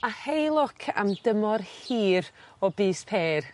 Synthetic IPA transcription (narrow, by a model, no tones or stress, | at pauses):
ahejlˠʊkʰa̰mdəmɔrhiːɾɔbiːspʰeːr